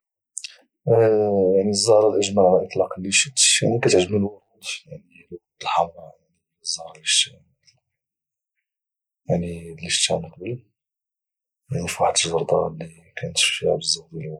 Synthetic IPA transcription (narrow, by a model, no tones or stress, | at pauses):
jaʕniəzˤːɑhɾˤɑlʔəʒmælʔət̪ˤlɑqlːiʃət̪jaʕnikæt̪əʕʒəməlwɑɾˤut̪jaʕni | lwɾud̪əlħamɾɑjaʕni | zːɑhɾˤɑliʃ | jaʕnilːiʃt̪ːænəqbəl | janifaħt̪əʒɑɾˤd̪ˤɑlːi | kʰænət̪ʃfiʕbəzːɑd̪il